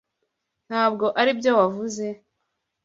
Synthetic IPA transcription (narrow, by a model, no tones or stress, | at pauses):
n̥haːb̚ɡo̞ʔaɾibjowavuze̞